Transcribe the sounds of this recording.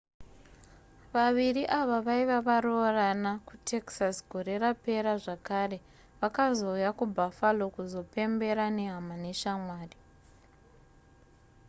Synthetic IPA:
ʋaʋiriʔaʋaʋaiʋaʋaroranakutʰe̞ksasɡʱo̞ɾe̞rape̞ɾaʐakare̞ | ʋakazo̞ujakubʱafalo̞kuzo̞pe̞mbe̞ɾaneɦamaneʃamwaːri

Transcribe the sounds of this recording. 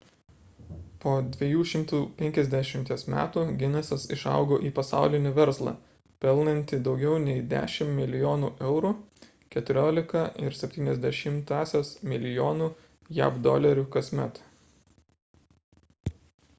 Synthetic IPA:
poːd̪ʲʋʲijuːʃʲɪmˑt̪uːpʲɛŋʲkʲɛzʲd̪ʲæʃʲɪmʲt̪ʲiɛsmʲæ̰ːt̪uːɡʲɪnʲɛsɐsɪʃɑ̰ˑʊɡoːʔiːpɐsɑ̰ˑʊlʲɪnʲɪʋʲɛɾslˠɑ̰ | pʲɛlˠnɐnʲt̪ʲɪd̪ɒʊɡʲɛʊnʲɛɪd̪ʲæ̰ːʃʲɪmmʲɪlʲɪjoːnuːʔɛʊɾu | kʲɛt̪ʊɾʲoːlʲɪkɐʔɪɾsʲɛpʲt̪ʲiːnʲɛzʲd̪ʲɛʃʲɪmt̪ɑːsʲeːsmʲɪlʲɪjoːnuː | jæ̰ːpd̪ɔ̰lʲɐɾʲukɐsʲmʲɛ̰t̪

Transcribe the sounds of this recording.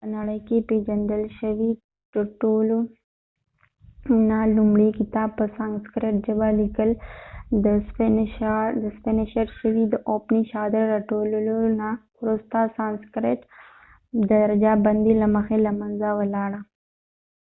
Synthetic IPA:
pənaɽəjkeped͡ʒand̪əlʃəwi | ʈolo | nalʊmɽikɪt̪ɑːb̚pːəsanskɾeʈʒəbalikəld̪əs | d̪əspɪnɪʃeʈʃəwid̪əʔopniʃɑd̪ɪɾːaʈollona | ʊɾust̪asanskɾeʈ | d̪əɾad͡ʒabɐnd̪ilaməxelamanzawalɑɽa

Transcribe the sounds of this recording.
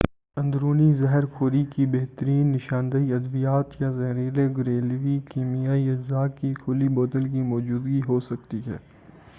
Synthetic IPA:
ɐ̃nd̪ɾuːnizɛɦɛɾkʰoːɾikibeɦt̪əɾiːnːɪʃãːnd̪əiɐd̪ʋijaːt̪jazɐɦɾiːleɡʊɾeːlʋikiːmijaːiɪd͡ʒzaːkːikʰʊliboːt̪əlkimɔːd͡ʒuːd̪ɡiɦoːsɐkt̪iɦɛː

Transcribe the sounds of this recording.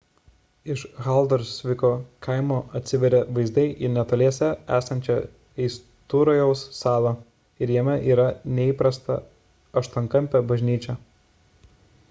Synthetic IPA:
ɪʃɣɐˑlˠd̪oɾsʲʋʲɪkoːkʰɐɪmoːʔɐt̪ʲsʲɪʋʲɛɾʲɛʋɐɪzd̪ɐɪʔiːnʲɛt̪oːlʲeɛsʲɛæːsɐnʲt͡ʃʲɛ | ɛɪs | t̪uːɾɐjɛʊsːɑːlˠɐ | ɪɾjɛmʲɛʔiːɾɐnʲɛiːpɾɐst̪ɐ̰ | ɐʃt̪oŋkɐmʲpʲɛbɐʒʲnʲiːt͡ʃʲɛ

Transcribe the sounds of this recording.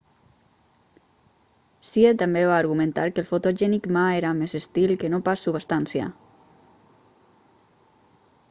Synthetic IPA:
siet̪ambeβaːɾɣumə̃nt̪a̰ɾkəlˠfot̪oʒɛnikmaeɾamezest̪ilkənopasuβast̪ansja̰

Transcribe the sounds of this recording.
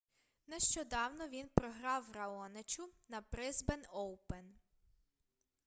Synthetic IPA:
neʃt͡ʃɔd̪ɑwnɔʋʲinpɾɔɦɾɑwrɐɔnet͡ʃʲʊnɐbɾɪzbenɔwpen

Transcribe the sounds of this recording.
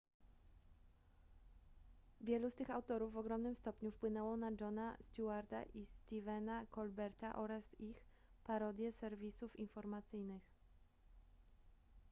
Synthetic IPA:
vʲjɛlust̪ɘxawt̪ɔɾuvːɔɡɾɔmnɘmst̪ɔpɲufpwɘnɛwɔ̃nad͡ʐɔnast̪uaɾd̪a̰ʔist̪ivɛnakɔlbɛɾt̪aʔɔɾasix | paɾɔd̪ʲjɛsɛɾvʲisufinfɔɾmat̪sɘjnɘx

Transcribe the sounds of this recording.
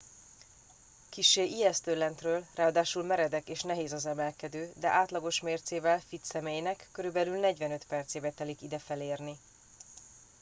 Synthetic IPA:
kiʃːeːʔiɛst̪ølɛnt̪røːlraːɒd̪aːʃulmɛɾɛd̪ɛkeːʃnɛɦeːzɒzɛmɛlkɛd̪øːd̪ɛʔaːt̪lɒɡo̞ʃmeːrt̪seːvɛlfit̪sɛmeːjnɛkːøɾybɛlylnɛɟʋɛnø̞t̪pɛrt̪seːbɛt̪ɛlikid̪ɛfɛleːrni

